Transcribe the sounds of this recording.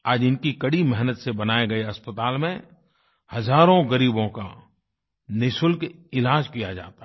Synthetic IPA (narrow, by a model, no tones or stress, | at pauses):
aːd͡ʒɪnkikɐɽimɛɦnət̪sebɐnaːeɡɐeɐspət̪aːlmẽ | hɐzaːɾõɡɐɾiːbõka̰ | nɪʃʊlkɪlaːd͡ʒkijad͡ʒa̰ːt̪a